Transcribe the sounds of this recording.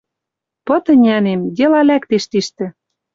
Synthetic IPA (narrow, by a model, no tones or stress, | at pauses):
pɤ̆t̪ə̆nʲænemd̪ʲelɑlækt̪eʃt̪iʃt̪ɘ̆